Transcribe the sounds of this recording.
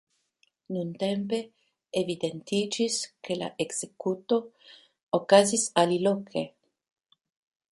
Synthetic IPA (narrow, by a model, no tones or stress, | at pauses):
nunt̪e̞mp̬e̞ː | vid̪e̞nt̪id͡ʒiske̞la̰ʔeɡz̥e̞kut̪o̞ | okazisalilo̞kʰe̞̰